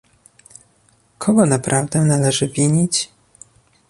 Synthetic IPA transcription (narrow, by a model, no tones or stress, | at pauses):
kʰɔɡɔnapɾʔavd̪ɛnalɛʐɘvʲiɲit͡ɕ